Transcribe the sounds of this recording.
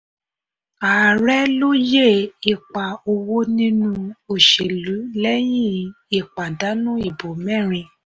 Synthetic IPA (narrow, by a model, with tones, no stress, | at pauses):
a˨ɾɛ˦lo˦je˦˨i˨k͡pa˨o˧wo˦nĩ˦nũ˦o˨ʃe˨lu˨˦lɛ˦jĩ˦˨ | i˨k͡pa˨da˨˦nũ˦i˦˨bo˨mɛ̃˦˨ɾ̃ĩ˧